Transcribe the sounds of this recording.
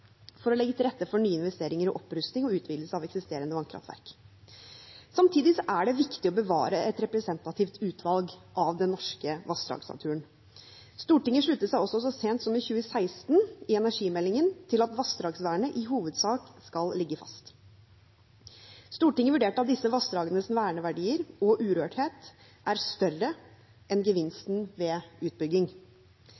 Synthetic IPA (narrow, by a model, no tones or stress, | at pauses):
fɔɾɔlɛɡːət̪ʰɪlɾɛt̪ːəfɔɳyːəɪnʋɛst̪eːɾɪŋəɾɔʔɔpːɾʉst̪nɪŋɔʉːt̪ʰʋiːd̪ləsəɑʋɛksɪst̪eːɾənəʋɑnkʰɾɑ̰ft̪ʋæ̰ɾk | sɑmt̪ʰiːd̪ɪsɔʔæɖɛʋɪkt̪ɪɔbəʋɑ̰ːɾəɛt̪ɾɛpɾɛsɛnt̪ɑt̪ʰɪft̪ʰʉːt̪ʰʋɑlɡʔɑʋd̪ɛnnːɔʂkəʋɑsd̪ɾɑ̰ːɡsnɑ̰t̪ʰʉːən | st̪uːʈɪŋːəʂɭʉt̪ːəsæɪɔsːɔsɔseːnt̪sɔmɪçʉːəsæɪst̪nɪɛnæʂiːmɛlːɪŋənt̪ʰɪlɑt̪ʋɑsd̪ɾɑːɡsʋæːɳəʔɪɦuːʋəd̪sɑːkskɑllɪɡːəfɑ̰st̪ | st̪uːʈɪŋːəʋʉɖeːʈɑt̪̚d̪ɪsːəʋɑstd̪ɾɑːɡənəsɪnʋæːəɳəʋæɖiːəɾɔʔʉːɾøːʈheːt̪ | ʔæɾst̪œrə | ɛnɡəʋɪnst̪n̩ʋɛːʉːt̪̚bʏɡːɪŋ